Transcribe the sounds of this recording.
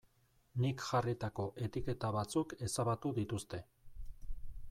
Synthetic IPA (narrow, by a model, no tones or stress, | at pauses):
nikʝarit̪ako̞ʔe̞t̪ike̞t̪aβat͡suke̞saβat̪uðit̪ust̪e̞